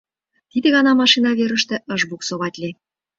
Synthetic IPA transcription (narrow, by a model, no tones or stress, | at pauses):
t̪id̪ĕɣɑnɑmɑʃinɑβeɾə̆ʃt̪ĕʔə̆ʒbuksoβɑtʲlʲi